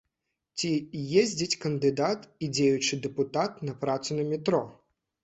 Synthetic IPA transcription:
t͡sʲijɛzʲd͡zʲɐt͡sʲkɐnd̪ɪd̪at̪idʲejʊt͡ʃɪd̪ɛpʊt̪at̪nɐpɾat̪sʊnɐmʲit̪ɾɔ

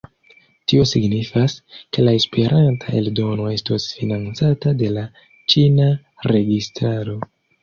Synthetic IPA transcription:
tio̞siɡnifaske̞lae̞spe̞ɾʔantʰae̞ldo̞no̞e̞stosfinant͡satade̞la | t͡ʃina | ɾe̞ɡistɾaɾo̞

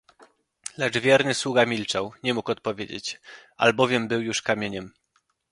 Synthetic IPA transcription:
lɛd͡ʐvʲjɛɾnɘswuɡamʲilt͡ʂawɲɛmukɔt̪̚pɔvʲjed͡ʑḛt͡ɕa̰lbɔvʲjɛmbɘwjuʂkamʲjeɲɛm

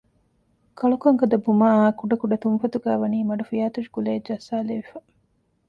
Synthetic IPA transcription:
kɐɭukɐŋkɐd̪ɐbumaːaːkuɖɐkuɖɐt̪unfɐt̪uɡæːʋɐniːmɐɖufijaːt̪uʃi̥ɡuled͡ʒɐsːaːleʋifɐ

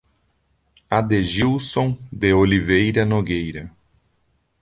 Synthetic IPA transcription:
ad̪eʒiwsõd̪eolivejɾɐnoɡejɾɐ

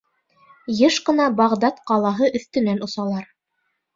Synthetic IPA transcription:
jɤʃqɤ̆nɑbɑʁd̪ɑt̪qɑlˠɑɦɤʔɵ̆θt̪ɵ̆nænŏsɑlˠɑɾ

